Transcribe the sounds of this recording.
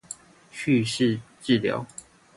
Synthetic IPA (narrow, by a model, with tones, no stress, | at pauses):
t͡ɕʰy˥˧ʂɻ̩˥˧ʈ͡ʂɻ̩˥˨ljɑ̰˨˦ʊ